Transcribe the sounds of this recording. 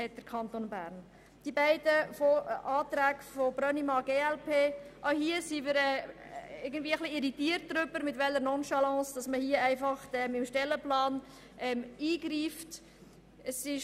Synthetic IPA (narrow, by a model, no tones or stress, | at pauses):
hɛt̚d̥əɾkʰɑnt̪onbæːɾn | d̥ibæɪd̥əfoɑːt̪ɾæːkfob̥ɾœnimɑɡeːɛlpʰeːʔaʊhiəsimɪɾɛ | ɪɾɡən̩dvʋiːəχliɪɾitiːəɾt̚d̥ɾʏbəɾmɪtʋɛlːəɾnɔnʃɑlɑ̃ːsd̥ɑsməhiəæɪfɑχtɛmɪmʃtɛlːəplɑːn | ʔɛmiːɡ̥ɾiːft | əsɪʃ